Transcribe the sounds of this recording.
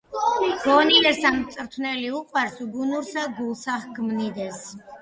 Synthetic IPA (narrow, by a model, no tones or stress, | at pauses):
ɡ̥ɔnid̪ɛsamt̪sʼɾt̪ʰnɛliuqʼwaɾsuɡunuɾsaɡulˠsaχɡmnid̪ɛs